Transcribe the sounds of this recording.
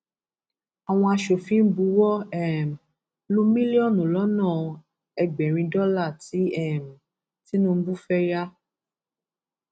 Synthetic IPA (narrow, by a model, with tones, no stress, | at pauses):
a˨w̃ɔ̃˧a˧ʃo˨fĩ˦n̩˦bu˧wɔ˦ɛ˦˨m̩˨ | lu˦mĩ˦li˦ɔ˦˨nũ˨lɔ˨˦nãː˦˨ | ɛ˧ɡ͡bɛ˨ɾ̃ĩ˧dɔ˦la˦˨ti˨˦ɛ˦˨m̩˨ | ti˨˦nũ˦m̩˦bu˦fɛ˦ja˦